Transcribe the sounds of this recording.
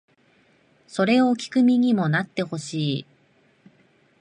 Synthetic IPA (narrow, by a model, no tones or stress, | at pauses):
so̞ɾe̞okʲi̥kɯ̟mʲiɲ̟imo̞nat̪ːe̞ho̞ɕiː